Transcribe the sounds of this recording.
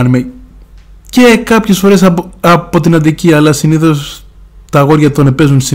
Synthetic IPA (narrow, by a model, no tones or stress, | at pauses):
nime | cekɐpçe̞sfo̞ɾe̞sɐpo̞t̪inɐnd̪iciɐlɐsiniθo̞s | t̪ɐɣo̞ɾʝɐt̪onepe̞zunsi